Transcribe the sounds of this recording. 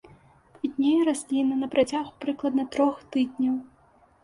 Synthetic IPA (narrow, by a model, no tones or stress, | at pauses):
id̪ʲnʲejɐɾasʲlʲinɨnɐpɾʔat͡sʲaɣupɾɨklˠɐd̪nɐt̪ɾɔxt̪ɨd̪ʲnʲɐw